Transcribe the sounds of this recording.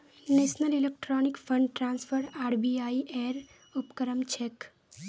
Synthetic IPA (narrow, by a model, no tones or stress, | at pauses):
neːʃnəlilek̚ʈɾɔːnikfʰəɳɖʈɾãːnsfʰəɾaːɾbiaːiʔeːɾ | upkəɾəmt͡ʃʰek